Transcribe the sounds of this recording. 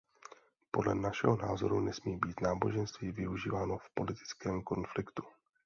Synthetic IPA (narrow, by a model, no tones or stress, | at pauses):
po̞dlɛnaʃɛ̰ɦo̞naːzo̞ɾunɛsmiːbiːt̪naːbo̞ʒɛnst̪viːvɪuʒiːvaːno̞fpo̞lɪt̪ɪ̥t͡skɛːmko̞nflɪkt̪u̥